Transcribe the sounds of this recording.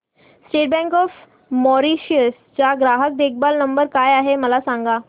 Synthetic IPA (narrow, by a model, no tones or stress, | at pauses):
sʈeʈ̚bɛ̃ŋkɔf | mɔɾiɕiəs | t͡ɕaɡɾaɦək̚d̪ekʰbalnəmbəɾkajaɦeməlasãŋɡa